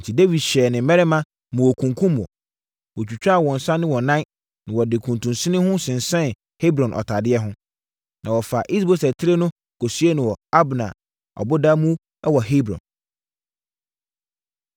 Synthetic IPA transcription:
n̩˨tʰi˨de˦vi˨dɕɛ˨nɪ̃˨m˦mɛ˦ɾɛ˦mã˦ | mʊ̃˨ɔ˨kʰũ˨ŋkʰũ˦mː˨ɔ̰˨ | wɔ˨t͡ɕᶣu˨t͡ɕᶣa˦˨wɔ̃˨n̩˨sã˦nɪ̃˦wɔ˨nã˦n | nɪ̃˨wɔ˨dɪ˨kʰũ˨ntʰũ˨nsɪ̃˦nɪ̃˦hʊ̃˦sɪ̃˨n˨sɛ̃˦n | he˦bɾɔ̃˨nʔɔ̰˨tʰa˨dɪ˦ɛ˦ɦʊ̃˦ | nʔã˨wɔ˨fa˨ʔi˦s̬bo˨sɛ˨tʰɪ˦ɾe˦nʊ̃˦ | kʰo˨su˦e˦nɪ̃˨wɔ˨a˦bnã̰˨ | ɔ̰˨bʊ˦da˦mũ˦ | ɛ˦wɔ˨ɦe˦bɾɔ̰̃˨n

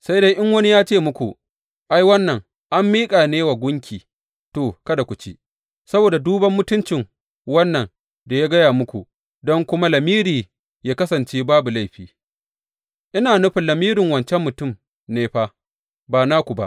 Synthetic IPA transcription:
sa˦jda˦jʔɪ˦ŋwɐ˦ni˦jaː˦t͡ʃeː˦˨mʊ˦kʷṵ˨ʔ | ʔa˦jwɐ˦nːɐ˨ŋ | ʔa˦mːiː˦kʼaː˨neː˦wa˨ɡʷʊ˦ŋkʲʰiː˨ | toː˨kɐ˦da˨kʷʊ˨t͡ʃi˦ | sɐ˦boː˨da˨duː˦bɐ˦mːʊ˦tʊ˦nt͡ʃɪ˨ŋ | wɐ˦nːɐ˨ŋ | da˨jaː˦ɡɐ˦jaː˨mʊ˦kʷu˨ | dɔ˦ŋkʷʊ˦ma˦lɐ˨miː˦ɾiː˨ | jaː˦kɐ˦sɐ˨nt͡ʃeː˦baː˦bu˨la˦jɸiː˨ | ʔɪ˦naː˨nʊ˦ɸɪ˨nlɐ˨miː˦ɾɪ˨ŋwɐ˨nt͡ʃɛ˦mːʊ˨tʊ˦˨m | neː˦ɸaː˦ | baː˨naː˦kʷu˨ba̰˦ʔ

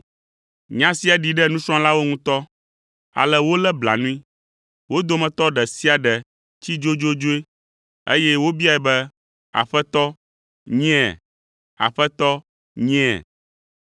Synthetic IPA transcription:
ɲã˦si˦a˨ɖi˨ɖɛ˦nũ˦sɔ̃˦la˦wo˦ŋũ˦t̪ɔ˦ | a̰˨lɛ˦wo˦lɛ˦bla̰˨nũ˦ĩ˦ | wo˦d̪o˦mɛ̃˨t̪ɔ˦ɖɛ˨si˦a˨ɖɛ˨ | t͡ɕi˦d͡ʒo˦d͡ʒo˦d͡ʒo˦e˦ | ḛ˦jɛ˦wo˦bi˦a˨ɛ˨bɛ˦ | a̰˨ɸɛ˦t̪ɔ˦ | ɲɛ̃˦˨ | a̰˨ɸɛ˦t̪ɔ˦ | ɲɛ̃˦˨

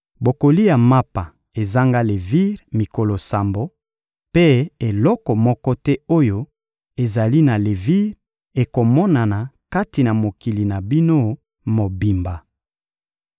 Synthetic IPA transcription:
bo˨ko˨li˦ja˨ma˦pa˨ | e˨za˦ŋɡa˦le˨vi˦ʁmi˨ko˨lo˨sa˨mbo˦ | pe˦e˨lɔ˦kɔ˨mɔ˦kɔ˦tɛ˦o˦jo˦ | e˨za˨li˦na˨le˨vi˦ʁ | e˨ko˨mɔ˦na˨na˨ka˦ti˨na˨mo˨ki˨li˨na˨bi˦no˦ | mo˨bi˨mba˨

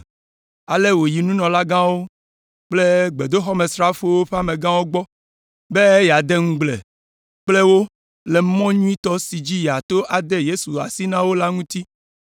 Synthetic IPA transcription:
a˨le˦wo˨ji˨nũ˦nɔ̃˨la˦ɡã˦wo˦ | k͡ple˦ɡ͡be˨d̪o˦xɔ˦mẽ˨sɾa˦fo˦wo˦ɸe˦a˦mẽ˨ɡã˦wo˦ɡ͡bɔ˦ | be˦e˦ja˨d̪e˦ŋũ˦ɡ͡blḛ˨ | k͡ple˦wo˦ | le˨mɔ̃˦ɲũ˦i˦t̪ɔ˦si˨d͡ʑi˦ja˨t̪o˦ʔa˨d̪e˦je˦su˨a̰˨si˦nã˦wo˦la˦ŋũ˦t̪i˦

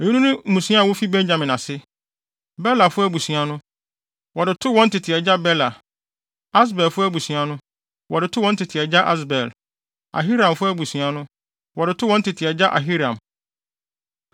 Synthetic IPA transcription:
ɲũ˦nũ˦nʊ̃˦m̩˦mũ˨sĩ˦a˦˨wʊ˦fi˦bɛ̃˦ɲd͡ʑã˨mɪ̃˨na˨sɪ˦ | bɛ˦la˨fʊ˦æ˦bu˨sũ˨a˨nʊ̃˦ | wɔ˨dɪ˨tʰʊ˦wɔ̃˦n̩˦tʰɪ˨tʰɪ˨ɛ˨d͡ʑa˦bɛ˦la˨ | a˦s̬bɛ˨lfʊ˦æ˦bu˨sũ˨a˨nʊ̃˦ | wɔ˨dɪ˨tʰʊ˦wɔ̃˦n˦tʰɪ˨tʰɪ˨ɛ˨d͡ʑa˦ʔa˦s̬bɛ˨l | a̰˨ɦi˦ɾã˨mfʊ˦æ˦bu˨sɥa˨nʊ̃˦ | wɔ˨dɪ˨tʰʊ˦wɔ̃˦n̩˦tʰɪ˨tʰɪ˨ɛ˨d͡ʑa˦ʔa̰˨ɦi˦ɾã˨m

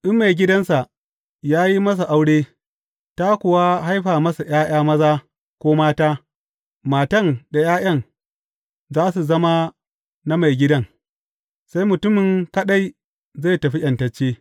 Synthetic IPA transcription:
ʔɪ˦mːa˨jɡʲɪ˦dɐ˦nsa˨ | jaː˦ji˦mɐ˦s̬a˨ʔa˦wɽeː˦ | ta˦kʷʊ˨wa˦ɦa˦jɸaː˨mɐ˦sa˨j̰aː˦j̰aː˦mɐ˦zaː˦ | kʷoː˦maː˦taː˦ | maː˨tɐ˦˨ŋda˨jaː˦j̰ɐ˦ŋ | zaː˦su˨zɐ˦ma˦ | na˦ma˨jɡʲɪ˦dɐ˦ŋ | sa˦jmʊ˨tʊ˦mɪ˨ŋkɐ˦ɗa˦j | zaː˦˨tɐ˨ɸi˦ʔɐ˨ntɐ˨t͡ʃːeː˦

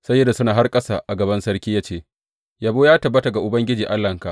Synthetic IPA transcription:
sɐ˦jːɐ˦dːa˨sʊ˦naː˨ɦa˦rkʼɐ˦sa˨ʔa˨ɡɐ˨bɐ˦nsɐ˦rkʲiː˦jaː˦t͡ʃeː˦˨ | jaː˦boː˦jaː˦tɐ˨bːɐ˦ta˨ɡa˨ʔʊ˨bɐ˦ŋɡʲɪ˦d͡ʒiː˨ʔa˦lːɐ˨ŋka˨ʔ

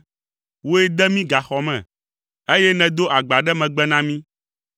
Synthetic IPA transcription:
wo˦e˦d̪ɛ˦mĩ˦ɡa˨xɔ˨mɛ̰̃˨ | e˦jɛ˦nɛ̃˨d̪o˦ʔa˨ɡ͡ba˨ɖɛ˦mɛ̃˨ɡ͡bɛ˦nã˦mĩ˦

